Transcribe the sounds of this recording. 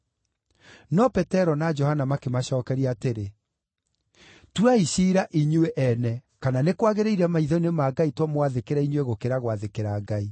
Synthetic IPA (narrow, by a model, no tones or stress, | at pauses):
nɔpɛtɛɾɔnad͡ʒɔhanamakemaʃɔːkɛɾiateɾe | twaiʃiːɾaʔiɲweʔɛnɛkananekwaɣeɾeiɾɛamaiðɔinemaɡaitwɔmwaðekeɾaiɲweɣokeɾaɣwaðekeɾaːɡai